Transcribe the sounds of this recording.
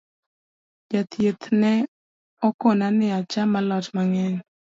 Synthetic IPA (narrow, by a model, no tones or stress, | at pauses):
d͡ʒat̪jet̪nɛ | ɔkɔnanɪat͡ʃamalɔtmaŋɛɲ